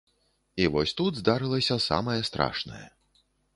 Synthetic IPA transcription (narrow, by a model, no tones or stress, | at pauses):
ivɔsʲt̪ud̪zd̪aɾɨlˠɐsʲɐsa̰mɐjɛst̪ɾa̰ʂnɐ̰jɛ̰